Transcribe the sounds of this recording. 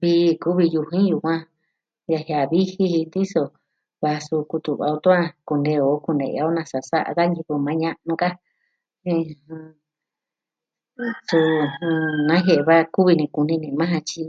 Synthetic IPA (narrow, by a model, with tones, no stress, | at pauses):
βi˧ku˦βi˧ju˧ɦĩ˦ju˧˨kʷã˧ | ja˧hja˨βi˦hi˧hi˧nd̪i˦so˧ | βa˧su˧ku˧t̪u˨βa̰˧o˧t̪o˦ã˦ku˧nde˧o˨˦ku˧nḛ˨˧a˧˦o˦nã˧sa˨sa̰˦ʔa̰˧ða˦ɲĩ˧ku˧mã˨˦ɲã˧ʔnũ˧ka˦ | ĩ˧hũ˧ | su˧ũ˧nã˨˦ɦe˧ʔβa˦˧ku˦βi˧nĩ˧ku˧nĩ˧nĩ˧mã˦ɦã˧t͡ʃi˧